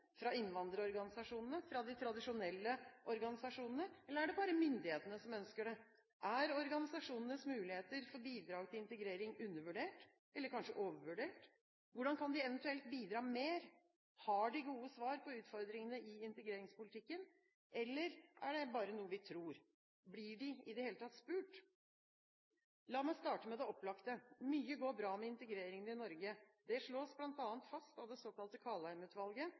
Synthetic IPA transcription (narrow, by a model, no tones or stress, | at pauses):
fɾɑɪnːʋɑnd̪əɾɔɾɡɑnɪsɑʂuːnənəfɾɑd̪ɪt̪ʰɾɑd̪ɪʂʊnɛlːəʔɔɾɡɑnɪsɑʂuːnənəɛlːəɾæɖɛbɑːɾəmʏnd̪ɪheːt̪ənəsɔmœnskəɖɛ | ʔæɾɔɾɡɑnɪsɑʂuːnənəsmʉːlɪheːt̪əɾfɔbiːd̪ɾɑːɡt̪ʰɪlɪnt̪əɡɾeːɾɪŋʉnːəɾʋʉɖeːʈ | ʔɛlːəɾkʰɑnʂəʔoːʋəɾʋʉɖeːʈ | ʋʊɖɑnkʰɑnd̪ɪɛʋənt̪ʉɛlt̪̚biːd̪ɾɑːmeːɾ | hɑɖɪɡuːəsʋɑːɾpɔʉːt̪fɔɾd̪ɾɪŋənəɪɪnt̪ɛɡɾeːɾɪŋspʊlɪt̪ʰɪkːən | ʔɛlːəɾʔæɖɛbɑːɾənuːəʋɪt̪ʰɾuːɾ | blɪɖɪɪd̪ɛheːlət̪ɑt̪spʉːʈ | lɑːmæɪst̪ɑːʈəmɛd̪ɛɔpːlɑkt̪əmyːəɡoːbɾɑːmɛɪnt̪ɛɡɾeːɾɪŋənɪnɔɾɡəd̪ɛʂɭoːsblɑnt̪ɑːənt̪fɑst̪ɑʋd̪ɛsoːkɑlt̪əkʰɑːlæɪmʉːt̪ʋɑlɡə